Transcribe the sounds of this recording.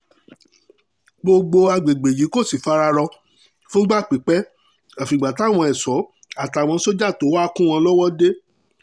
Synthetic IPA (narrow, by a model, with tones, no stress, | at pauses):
ɡ͡bo˧ɡ͡bo˧a˧ɡ͡be˨ɡ͡be˨ji˨˦ko˦˨si˨fa˧ɾa˧ɾɔ˧ | fũ˦ɡ͡ba˦˨k͡pi˨˦k͡pɛ˦ | ã˨fi˨ɡ͡ba˨ta˨˦˨w̃ɔ̃˧ɛ˨sɔ˨˦ | a˦˨ta˨w̃ɔ̃˧so˦d͡ʒa˦˨to˨˦wa˦kũ˦w̃ɔ̃˧lɔ˦wɔ˦de˦